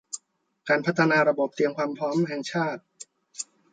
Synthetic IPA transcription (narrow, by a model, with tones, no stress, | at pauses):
kaː˧npʰa˦˥t̪ʰːa˧naː˧ɾa˧bo˨˩p̚t̪i˧əŋkʰwaː˧mpʰɾɔː˦˥mɦɛ˨˩ŋt͡ɕʰaː˥˩t̪̚